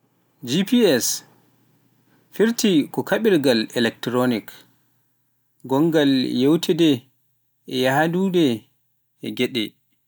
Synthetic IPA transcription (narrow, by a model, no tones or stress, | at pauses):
d͡ʒipiɛs | fiɾtikɔkʰaɓiɾɡalɛlɛk̚tɾonik | ɡɔŋɡaljɛwtʰɛdɛ | ɛjaɦadudɛ | ɛɡɛɗɛ